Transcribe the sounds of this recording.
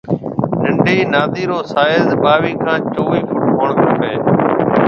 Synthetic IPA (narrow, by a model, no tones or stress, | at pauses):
ɗəɳɖeːnaːd̪iːɾoːsaːɪzɓaːʋiːkʰãːt͡ʃoːʋiːfʰʊʈkʰoːɳkəkəeː